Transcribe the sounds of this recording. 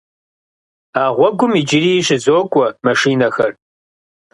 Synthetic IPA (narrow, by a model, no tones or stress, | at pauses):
aːʁʷɔɡʷʊmid͡ʒɪriːɕɪzoːkʷʼɔmɐʂiːnɐxɐr